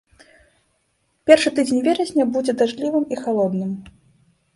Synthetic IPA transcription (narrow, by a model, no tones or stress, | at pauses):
pʲɛrʂɨt̪ɨd͡zʲenʲvʲɛɾɐzʲnʲɐbud͡zʲɛd̪aʐlʲivɨmixalˠɔd̪nɨm